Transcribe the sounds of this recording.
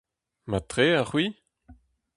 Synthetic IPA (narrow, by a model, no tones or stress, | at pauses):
mat̪ʁeaχwi